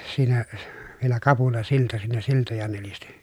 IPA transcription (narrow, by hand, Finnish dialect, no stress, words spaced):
siːnæ ʋielæ kɑpulɑsiltɑ siːnæ siltojɑ nelisti